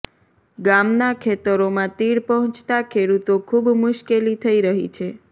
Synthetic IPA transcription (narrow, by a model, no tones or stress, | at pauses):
ɡamnakʰet̪əɾomãt̪iɽpəɦɔ̃t͡ʃt̪akʰeɽut̪okʰubmʊʃkelit̪ʰəiɾəɦḭt͡ʃʰe